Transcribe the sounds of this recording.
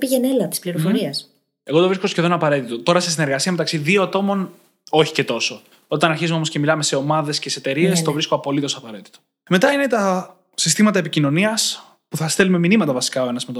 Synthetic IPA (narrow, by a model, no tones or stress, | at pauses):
piʝenelɐt̪ispliɾofo̞ɾiɐs | e̞ɣo̞t̪o̞vɾisko̞sçe̞ðonɐpɐɾe̞t̪it̪o̞t̪o̞ɾɐses̬ine̞ɾɣɐsiɐme̞t̪ɐksiðioɐt̪o̞mo̞n | o̞çi̥ce̞t̪o̞so̞ | o̞t̪ɐnɐɾçizumo̞mosce̞milɐme̞se̞o̞mɐðe̞sce̞set̪e̞ɾie̞st̪o̞vɾiskoɐpo̞lit̪o̞sɐpɐɾe̞t̪i̥t̪o | me̞t̪ɐine̞t̪ɐ | sist̪imɐt̪ɐepicino̞niɐs | puθɐst̪elume̞minimɐt̪ɐvɐsi̥kɐoe̞nɐzmet̪o